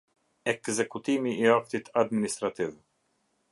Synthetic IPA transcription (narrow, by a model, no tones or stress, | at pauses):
ɛkzɛkut̪imiʔiak̚t̪it̪ʰad̪minist̪ɾat̪iv